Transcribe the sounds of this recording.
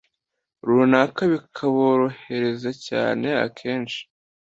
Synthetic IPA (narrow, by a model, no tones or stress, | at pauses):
ɾuːnakaβikʰaβoɾo̞he̞ɾe̞zaca̰ːne̞a̰kʰe̞ːnʃi̥